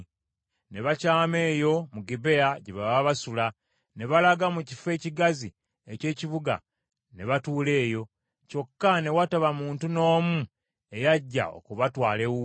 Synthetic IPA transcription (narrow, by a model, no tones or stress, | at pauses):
ne̞βacaːme̞ːjo̞muɡibe̞aɟeβaβaβasula | ne̞βalaɡamucife̞ːciɡazḭ | ece̞ːciβuɡa̰ | ne̞βatuːle̞ːjo̞ | co̞kːane̞wataβamuːntuno̞ːmu | e̞jaɟːa̰o̞̰kuβatwaːlewu